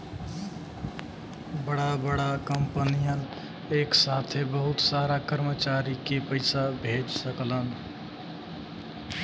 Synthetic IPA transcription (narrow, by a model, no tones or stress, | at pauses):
bəɽabəɽakəmpənijən | eːksaːt̪ʰebəɦʊt̪saːɾakəɾmət͡ʃaːɾikepəɪsabʱeːd͡ʒsəklən